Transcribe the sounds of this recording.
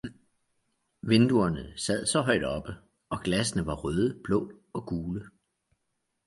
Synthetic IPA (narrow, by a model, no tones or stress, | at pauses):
ʋe̝nd̥uɐnəsæð̞̰ˠsɒ̽ɦɒ̽ɪ̰d̥ɒ̽b̥ə | ɒ̽ɡ̥læsənəʋɑ̈ʁøːð̞ˠəb̥lɔ̽ː | ɒ̽ɡ̥uːlə